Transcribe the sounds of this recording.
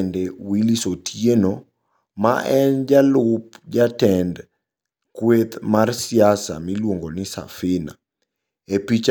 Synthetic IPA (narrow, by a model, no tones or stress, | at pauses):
ndewilisotʰjeno | ma̰ʔɛnd͡ʒalʊp̚d͡ʒatɛnd | kwet̪marsɪjasa̰milwoŋɡonɪsa̰fɪna̰ | epit͡ʃ